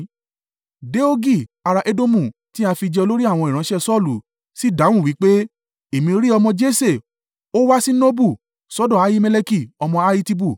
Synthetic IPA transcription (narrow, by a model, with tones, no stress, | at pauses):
de˦o˦ɡi˦˨a˧ɾa˧ʔe˦do˦mũ˦˨ti˦a˧fi˧d͡ʒɛ˧o˧lo˦ɾi˦a˦˨w̃ɔ̃˧i˨ɾ̃ã˨˧˦ʃɛ˦˨sɔ˦˨lu˨ | si˦da˨˦w̃ũ˦˨wi˨˦k͡pe˦ | e˨mĩ˧ɾi˦ɔ˧mɔ̃˧d͡ʒe˦se˦˨ | o˦wa˦si˦no˦bu˦˨ | sɔ˦dɔ̃˦˨a˨˦ji˦mɛ˧le˧ki˦˨ɔ˧mɔ̃˧a˧ji˧ti˧bu˦˨